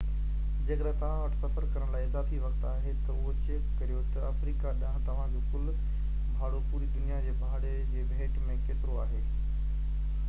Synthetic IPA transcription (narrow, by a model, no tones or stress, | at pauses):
d͡ʑɐkɗɛt̪ɐʋ̤ãʋɐʈsɐfəɾkɐɾəɽ̃laːiɪzaːfiʋɐkt̪aːɦet̪ɐʊɦot͡ɕekːkɐɾijot̪ɐɐfɾiːkaɗãɦt̪ɐʋ̤ãd͡ʑoːkʊl | bʱaːɽopuːɾid̪ʊnijad͡ʑeːbʱaːɽed͡ʑeːbʱeːʈmẽkeːt̪ɪɾoaːɦeː